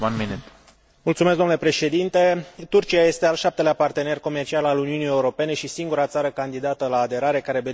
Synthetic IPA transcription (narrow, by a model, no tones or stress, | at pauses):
anmenet̪ | mult̪sumes̬ɡd̪onle̞pɾe̞ʃe̞d̪int̪e̞t̪urt͡ʃiaje̞st̪ealʃap̚t̪e̞leapart̪e̞ne̞rko̞mert͡ʃialaluniunie̞uɾo̞pe̞ne̞ʃisiŋɡuɾat̪saɾəkand̪id̪at̪əlaːd̪e̞ɾaɾe̞kaɾebe